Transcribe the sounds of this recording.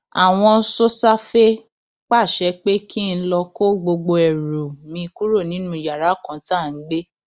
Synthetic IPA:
a˨w̃ɔ̃˧so˦sa˦fe˦ | k͡pa˦˨ʃɛ˧k͡pe˦kʰi˦˧n̩˧˦lɔ˧ko˦ɡ͡bo˧ɡ͡bo˧ɛ˨ɾo˨mĩ˧ku˦ɾo˦˨nĩ˨˦nũ˦˨ja˨ɾa˨˦˨kã˧˦ta˦˨n̩˦ɡ͡be˦

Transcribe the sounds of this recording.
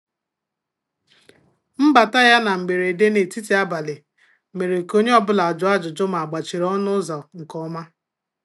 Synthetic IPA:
m̩˦ba˨ta˦ja˦na˨m̩˨ɡ͡be˨ɾe˨de˦ne˨ti˦ti˨˦a˦ba˨lɪ˨ | me˨ɾe˨ko˦ɲe˦ɔ˦bʊ˦la˨a˨d͡ʒʊ˨˦a˦d͡ʒʊ˨d͡ʒʊ˦ma˨a˨ɡ͡ba˨t͡ʃi˨ɾɔ˦nʊ˦za˨ʊ˨ŋ̩˨kɔ˦ma˦

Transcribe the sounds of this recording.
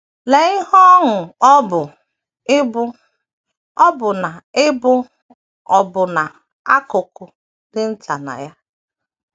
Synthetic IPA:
le˨ɪ˦ɦɔ˦ŋʊ˨˦bʊ˨˦ | b | ɔ˦bʊ˨na˨ɪ˦bʊ˦ | ɔ˨bʊ˨na˨ | a˦kʊ˨kʊ˨ | dɪ˦n̩˦ta˨na̰˨ja˦

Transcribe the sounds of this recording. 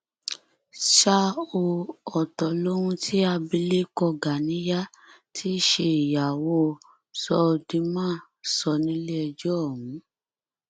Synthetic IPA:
ʃa˧o˧ɔ˨tɔ˨lo˦ɾũ˧tʰi˦a˧bi˧le˦kɔ˧ɡa˨nĩ˨˦ja˦ | tʰi˦ʃe˧i˨ja˨wo˧ | sɔ˧di˧mãː˦ | sɔ˧nĩ˨˦le˦ɛ˧d͡ʒɔ˦˨ũ˨˦

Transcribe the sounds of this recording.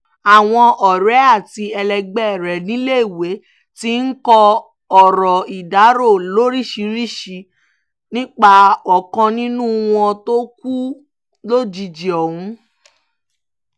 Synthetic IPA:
a˨w̃ɔ̃˧ʔɔ˨ɾɛ˨˦a˦˨ti˧ɛ˧lɛ˧ɡ͡bɛ˦˨ɾɛ˨nĩ˨˦le˦i˦˨we˨˦ | ti˦n̩˦kɔ˧ | ɔ˨ɾɔ˨i˨da˨˦ɾo˦˨lo˦ɾi˦ʃi˧ɾi˦ʃi˧ | nĩ˦k͡pa˧ɔ˨kɔ̃˧nĩ˦nũ˦w̃ɔ̃˧to˦k̚u˦ | lo˦d͡ʒi˧d͡ʒi˨ɔ˨hũ˨˦

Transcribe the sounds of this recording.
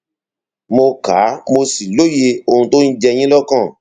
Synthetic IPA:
mo˧ka˨˦mo˧si˨lo˦je˧o˧hũ˧to˦ñ̩˦d͡ʒɛ˧j̃ĩ˦lɔ˦kã˦˨

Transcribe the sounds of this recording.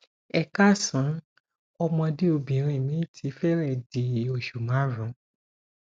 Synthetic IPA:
ɛ˧ka˦˨sã˨˦ | ɔ˧mɔ̃˧di˦o˧bĩ˨˦ɾ̃ĩ˧˨mĩ˨˦tʰi˨˦fɛ˦ɾɛ˦˨di˨o˨ʃu˨mã˨˦ɾũ˨˦

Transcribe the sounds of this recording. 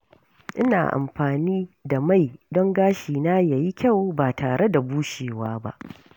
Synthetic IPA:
ʔɪ˦na̰ː˨ʔa̰˨mɸaː˨niː˦da˨ma˦˨jdɔ˦ŋɡaː˦ʃiː˨naː˦ja˨ji˦kʲa˦˨wbaː˨taː˨ɽe˦da˨buː˦ʃeː˨waː˦ba̰˦ʔ

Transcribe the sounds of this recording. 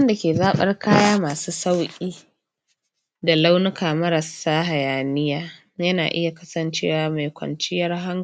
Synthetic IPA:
nda˨kʲeː˨zaː˦ɓɐ̰˦rkʰaː˦jaː˦maː˨suː˦sa˦wkʲʼiː˦ | da˨la˦wnʊ˦kʰaː˨mɐ˦ɾɐ˨saː˦ɦa˨jaː˨nɪ˦jaː˦ | jɐ˦naː˨ʔɪ˦ja˨kɐ˦sɐ˨nt͡ʃeː˦waː˨ma˨jkʷɐ̰˨nt͡ʃɪ˦jɐ˦rɦa˦ŋ

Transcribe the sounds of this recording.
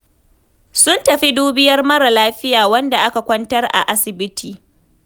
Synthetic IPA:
sʊ˦ntɐ˨ɸi˦duː˦bɪ˦jɐ˦rmɐ˦ɾa˨laː˦ɸɪ˦jaː˨wɐ˦nda˨ʔa˦ka˨kʷɐ˦ntɐ˦rʔa̰˨ʔa˦sɪ˨bɪ˦tʰiː˨

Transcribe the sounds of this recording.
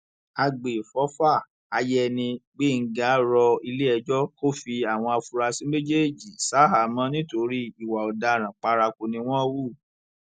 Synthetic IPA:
a˧ɡ͡be˨fɔ˨˦fa˦˨ | a˧jɛ˦nĩ˧ɡ͡be˦˨ŋ̩˦ɡa˨˦ɾɔ˧i˧le˦ɛ˧d͡ʒɔ˦ko˦fi˧a˨w̃ɔ̃˧a˧fu˧ɾa˧sĩ˦me˦d͡ʒe˦˨d͡ʒi˨sa˨˦ɦa˨˦mã˦nĩ˦to˧ɾi˦i˨wa˨ɔ˨da˧˨ɾ̃ã˨k͡pa˧ɾa˧ko˧nĩ˧w̃ɔ̃˦wu˦˨

